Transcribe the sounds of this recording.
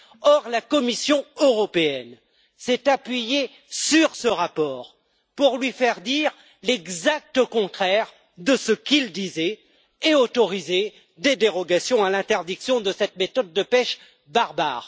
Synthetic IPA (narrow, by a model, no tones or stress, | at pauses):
ɔʁlakɔmisjɔ̃øʁɔpeɛn | sɛt̪apɥije | syʁsəʁapɔːʁ | puʁlɥifɛʁd̪iʁ | lɛɡzak̚t̪əkɔ̃t̪χɛʁ | d̪əsəkild̪izɛ | eot̪ɔʁize | d̪ed̪eʁɔɡasjɔ̃alɛ̃t̪ɛʁd̪iksjɔ̃d̪əsɛt̪met̪ɔd̪̚ːəpɛʃ | baʁba̰ːʁ